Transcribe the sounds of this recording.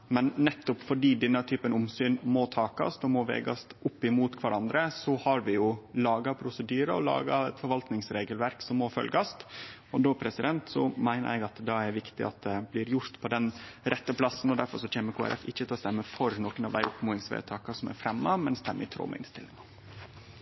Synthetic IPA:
mɛnːɛt̪ːɔpfɔɖiːd̪ɛnːət̪ʰyːpənʊmsyːnmɔt̪ʰɑːkɑ̰sd̪ɔmɔʋḛːɡɑst̪ʊpːɪmuːt̪kʰʋɑɾɑnd̪ɾəsɔhɑɾʋɪjʊlɑːɡɑpʰɾʊsəd̪yːɾəɔ̰lɑ̰ːɡɑɛt̪fɔɾʋɑlt̪nɪŋsɾeːɡəlʋæɾksɔmːɔfœ̰lɡɑst̪ɔd̪oːpʰɾɛsɪd̪ɛnt̪sɔmæɪnə̰ɾɛɡɑt̪d̪ɑæɾʋɪkt̪ɪ̰ʔɑ̰t̪̚d̪ɛblɪɾjʊɾt̪pʰɔd̪ɛnɾɛt̪ːəpʰlɑsːn̩ɔd̪æɾfɔɾʂɔc͡çeːməɾkʰuːæ̰ɾʔɛ̰fɪçːət̪ʰɪlɔst̪ɛmːəfɔɾnoːkənɑʋd̪æɪʔʊpmuːɪŋsʋḛːt̪ʰɑːkɑsɔmæ̰ɾfɾɛmːɑmɛnst̪ɛmːə̰ɪt̪ʰɾo̰ːmɛ̰ɪ̰nst̪ʰɪlːɪŋɑ

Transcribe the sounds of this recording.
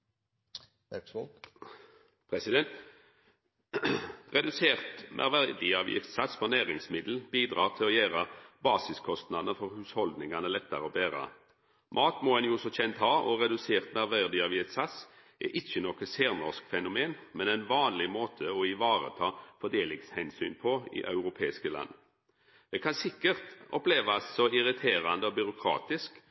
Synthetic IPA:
pʰʁɛsɪd̪ɛnt̪ | ʁɛd̪ʉseːʁt̪nʔæ̰ʁʋæd̪ɪɑʋjɪ̰ft̪sɑt̪sfɔʁnæːʁɪŋsmɪd̪l̩biːd̪ʁɑːʁt̪ʰɪlɔjæːʁəbɑːsɪskʰɔst̪nɑd̪ənəfɔʁhʉːshɔld̪nɪŋɑnəlɛt̪ːəɾəɔbeːʁə̰ | mʔɑːt̪mɔɛnjʊːsɔçɛnt̪hɑːʔɔʁɛd̪ʉseːʁt̪næʁʋæʁd̪ɪɑʋɪɛt̪sɑs | ʔɛ̰ʔɪçːənɔkəseːʁnɔʁskfɛnʊmeːnmɛnɛnʋɑːnlɪmoːt̪ʰəɔɪʋɑːʁə̰t̪ʰɑːfɔd̪eːlɪŋshɛnsy̰ːnpʰɔɪ̰ʔɑ̰ʉʁʊpʰeːɪskəlɑ̰nː | d̪ɛkʰɑnsɪkːəʁt̪ɔpleːʋɑsɔɪʁɪt̪ʰeːʁɑnd̪əɔbʏɾʊkʰʁɑ̰ːt̪ɪsk

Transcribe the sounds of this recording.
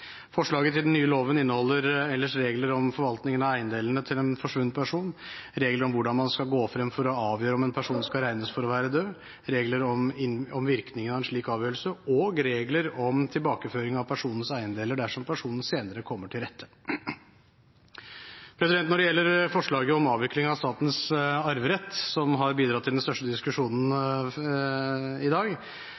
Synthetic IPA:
fɔʂɭɑːɡət̪ʰɪd̪nːyːəloːʋənɪnːəhɔlːəɾɛlːəʂɾeːɡləɾɔmfɔɾʋɑlt̪nɪŋənɑʋæɪənd̪eːlən̩ət̪ʰɪlɛnfɔʂʋʉnd̪pʰæʂuːnɾeːɡləɾɔmʋʊɖɑnmɑnskɑlɡoːfɾɛmːfɔɾɔɑːʋjøːɾəɔmɛnpʰæʂuːnskɑɾæɪnəsfɔɾɔʋæːɾəd̪øː | ɾeːɡləɾɔmɪɔmʋɪɾknɪŋənɑʋɛnʂɭiːkɑːʋjøːɾəlsəɔɡɾeːɡləɾɔmt̪ʰɪlbɑːkəføːɾɪŋɑʋpʰæʂuːnən̩sæɪənd̪eːləɖæʂɔmpʰæʂuːnn̩seːnəɾəkʰɔmːəʈʰɪlɾɛt̪ʰːə̥ | pʰɾɛsɪd̪ɛnt̪nɔɖɛjɛlːəɾfɔʂɭɑːɡəɔmɑːʋɪklɪŋəɑʋst̪ɑːt̪nsɑɾʋəɾɛt̪ːsɔmɦɑɾbiːd̪ɾɑt̪ːɪld̪ɛnst̪œʂʈəd̪ɪskʉʂuːnn̩ | ɪd̪ɑːɡ

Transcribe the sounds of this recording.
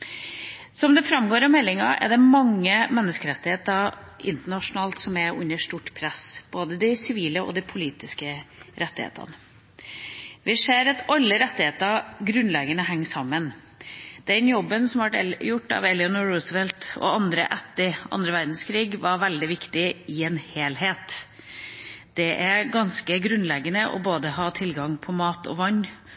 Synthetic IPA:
sɔmd̪ɛfɾɑmɡoːɾɑmɛlːɪŋɑ̰ɛ̰ɖ̪ɛmɑŋːəmɛnːəskəɾɛt̪ːɪheːt̪ɑʔɪ̰nt̪əɳɑʂʊnɑːlt̪sɔmæʉ̰nːəʂʈuʈpʰɾɛsb̥oːd̪əd̪ɪsɪʋiːləɔ̰d̪ɪpʰʊliːt̪ɪskəɾɛt̪ːɪhḛːt̪ʰə̰ɑ̰nə | ʋɪseːɾɑt̪ɑlːəɾɛt̪ːɪheːt̪əɡɾʉnlɛɡənəɦæŋːsɑmːən | d̪̥ɛnjɔbːənsɔmʋæʈɛjʊʈːɑ̰ʋɛlɪɑnɔɹuːsʋɛlt̪ɔ̰ɑnd̪ɾə̰ʔɛt̪ːɪʔɑ̰nd̪ɾəʋæɾd̪n̩skʰɾiːɡʋɑɾʋæld̪ɪʋɪkt̪ɪɪɛːnheːlɦeːt̪ | d̪̥ɛʔæɾɡɑnskəɡɾʉnlɛɡənəʔɔ̰boːd̪əhɑːt̪ʰɪlɡɑŋpʰɔmɑːt̪ʰɔ̰ʋɑɲː

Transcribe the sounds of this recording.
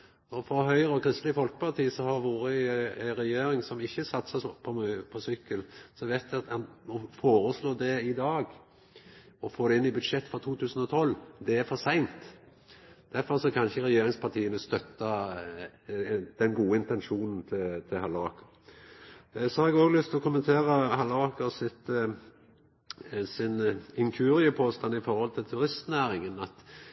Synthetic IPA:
ɔfɾɔɦœʏɾəɔkʰɾɪst̪lɪəfɔlkə̥pʰɑɾt̪ʰiːsɔhɑɾʋuːɾəɾɛjeːɾɪŋsɔmɪçːəsɑt̪sɑpʰɔmpʰɔsʏkːəlsɔʋæɪt̪ʋɪɑt̪ɑnɔfoːɾəsloːd̪ɛɪd̪ɑːɡ | ɔfoːd̪ɛɪnːɪbʉd̪ʂɛt̪ːfɔʁt̪ʰuːt̪ʰʉːsən̩ɔt̪ʰɔlːd̪ɛæɾfɔɾsæɪnt̪ | d̪̥æɾfɔɾsɔkʰɑnçəɾɛjeːɾɪŋspʰɑt̪ʰiːənəst̪œt̪ːɑ | d̪ɛnɡuːəɪnt̪ɛnʃuːnn̩t̪ʰɪt̪ʰɪlhɑlɑːkəɾ | sɔhɑɾɛɡoːɡlʏst̪ʰlɔkʊmənt̪ʰeːʁəhɑləɑːkəsɪt̪ | sɪnɪŋkʰʉːɾɪəpʰoːst̪ɑnːɪfɔɾhɔlt̪ʰɪlt̪ʰʉɾɪst̪næːɾɪŋənɑt̪

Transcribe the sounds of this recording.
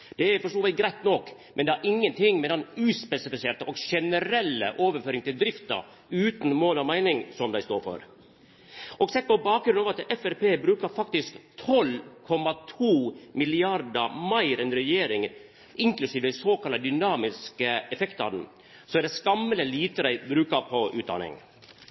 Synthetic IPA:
d̪̥ɛæfɔʂʈoːʋɛɪɡɾæɪt̪nɔkmʔɛnd̪ɛæɾʔɪŋːənt̪ʰɪŋːmɛd̪ɛnʉːspɛsɪfɪseːʈ̪əʔɔɡʂɛnəɾɛlːə̰ʔoːʋəɾføːɾɪŋt̪ɪld̪ɾɪft̪ɑ̰ | ʉːt̪n̩moːlɔmæɪnɪŋsɔmd̪æɪst̪o̰ːɾfɔ̰ɾ | ʔɔɡsɛt̪̚pɔbɑːk̚ɡɾʉnɑːʋɑt̪ɛfɛɾpeːbɾʉːkəɾfɑk̚t̪ɪskt̪ʰɔlkʰɔmɑt̪ʰuːmɪlɪɑɾd̪əmɑɪɾɛnɾɛjeːɾɪŋ | ɪŋklʉsiːʋəd̪ɛɪsoːkʰɑlɑd̪ʏnɑːmɪskəɛfɛkt̪ɑ̰d̪n̩ | sɔɛɖɛskɑmːəlɛliːt̪əd̪æɪbɾʉːkɑɾpʰɔʔʉːd̪ɑ̰nɪ̰ŋ

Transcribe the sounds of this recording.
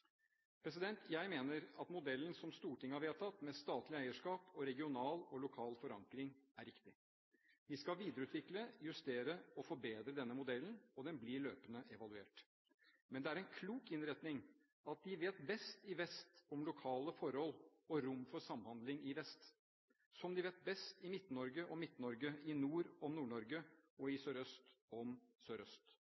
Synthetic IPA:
pʰɾɛs̬ɪd̪ɛnt̪ʰjæɪmeːnəɾɑt̪mʊd̪ɛlən̩sɔmst̪uːʈɪŋːəhɑɾʋeːt̪ʰɑt̪ːmɛst̪ɑːt̪lɪæɪəʂkɑːpɔɾɛɡɪʊnɑːlɔlʊkʰɑːlfɔɾɑŋkɾɪŋæɾɪkt̪ɪ | ʋɪskɑʋiːd̪əɾəʉːt̪ʋɪkləjʉst̪eːɾəɔfɔɾbeːd̪ɾəd̪ɛnːəmʊd̪ɛlnɔd̪ɛnblɪɭøːpənəʔɛʋɑlʉeːʈ | mɛnd̪ɛæɾɛnkʰluːkɪnɾɛt̪nɪŋ | ɑt̪̚d̪ɪʋeːt̪bɛst̪ɪʋɛst̪ɔmlʊkʰɑːləfɔɾɔlːɔɾʊmfɔsɑmːhɑnd̪lɪŋɪʋɛst̪ | sɔmd̪ɪʋeːt̪̚bɛst̪ɪmɪt̪ːnɔɾɡəʔɔmɪt̪ːnɔɾɡəɪnuːɾɔmnuːɳɔɾɡəɔɪsøːɾœst̪ɔmsøːɾœst̪

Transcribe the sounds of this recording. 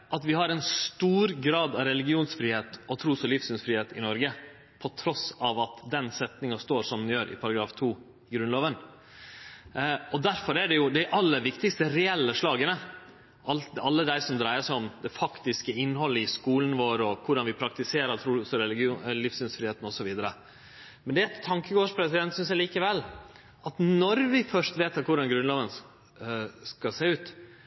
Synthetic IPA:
ʔɑt̪ʋɪhɑɾɛnst̪uːɾɡɾɑːd̪ɑʋɾɛlɪɡɪuːnsfɾiːheːt̪ɔt̪ʰɾuːsɔlɪfsʉnsfɾiːeːt̪ɪnɔɾɡə | pʰɔt̪ʰɾɔsɑʋɑt̪d̪ɛnsɛt̪nɪŋɑst̪oːʂɔmd̪njøːɾʔɪ̰pʰɑɾɑɡɾɑːft̪ʰuː | ɪɡɾʉnloːʋən | ɔd̪æɾfɔɾæɖɛjʊd̪æʔɑlːəʋɪkt̪ɪkst̪əɾɛɛlːəʂɭɑːɡənə | ʔɑlɑlːəd̪æɪsɔmd̪ɾæɪəʂæɔmd̪ɛfɑkt̪ɪskəɪnːhɔlːəɪskuːlənʋoːɾɔkʰʊɖɑnʋɪpʰɾɑk̚t̪ɪseːɾəɾt̪ʰɾuːsɔɾɛlɪɡɪuːlɪfsʉnsfɾiːheːt̪n̩ɔsɔʋiːd̪əɾə | mɛnd̪ɛæt̪ʰːɑŋkəɡoːʂpʰɾɛsɪd̪ɛnt̪sʏnsjæliːkəʋɛlː | ɑt̪nɔɾʋɪfœʂt̪ʋeːt̪ɑkʰʊɖɑnɡɾʉnloːʋən | skɑseːʉːt̪

